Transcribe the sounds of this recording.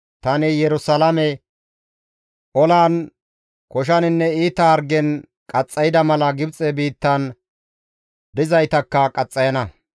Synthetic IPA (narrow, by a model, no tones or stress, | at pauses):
t̪ɐnɪjɛɾʊsɐlɐmɛ | ʔɔlaːn | kɔʃ̬ɐnɪnːɛiːt̪ːɐːɾɡɛn | kʼɐt͡sʼːɐjɪd̪ɐmɐlɐɡɪbt͡sʼɛbiːt̪ːɐn | d̪ɪzɐjt̪ɐkːɐkʼɐt͡sʼːɐjɐnɐ